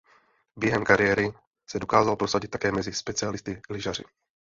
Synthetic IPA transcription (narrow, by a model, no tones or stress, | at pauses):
bjɛɦɛmkaɾɪjɛɾɪ | sɛdo̞kaːzalpɾo̞saɟɪt̪̚ːḁkɛːmɛzɪspɛt͡sɪalɪst̪ɪlɪʒar̝ɪ̰